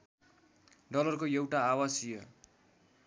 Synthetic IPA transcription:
ɖʌlʌrkoewʈaːwasijʌ

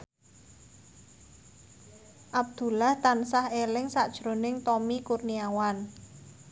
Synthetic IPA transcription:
ʔab̚d̪̥ṳlaht̪ansahelɪŋsaʔd̥ʒ̥ɾo̤nɪŋt̪ɔmikurniawan

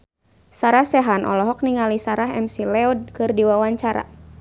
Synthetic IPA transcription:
saɾahsɛɦanʔɔ̰lɔɦɔk̚niŋalisaɾaɦɛ̰msilɛɔd̚kɨrdiwawaɲt͡ʃaɾa̰

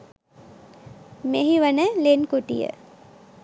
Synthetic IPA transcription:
meɦiʋənəlenkuʈḭjə̰

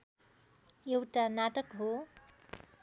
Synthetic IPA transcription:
jewʈanaʈʌkɦo

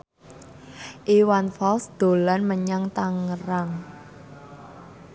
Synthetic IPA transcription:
ʔiwanfɔlsd̪̥o̤lanməɲaŋt̪aŋəraŋ

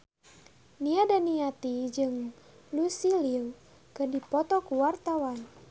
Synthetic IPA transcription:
niadaniat̪id͡ʒɨŋ | lusiliu | kərdipɔt̪ɔkuwart̪awan

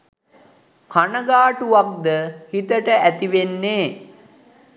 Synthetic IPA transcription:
kʰanəɡaːʈuʋak̚d̪əhit̪əʈəæt̪iʋenːeː

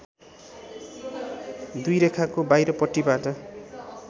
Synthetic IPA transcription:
d̪ujɾekʰakobajɾʌpʌʈːibaʈʌ

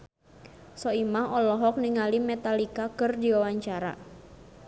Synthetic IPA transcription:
sɔimaɦɔlɔɦɔk̚niŋalimɛt̪alikakɨrdiwawaɲt͡ʃaɾa̰

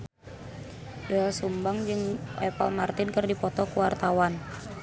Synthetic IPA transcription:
daasumbaŋd͡ʒɨŋɛpa̰lmart̪ɪnkɨrdipɔt̪ɔkuwart̪awan

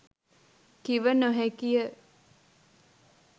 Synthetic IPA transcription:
kiʋənoɦɛkijə

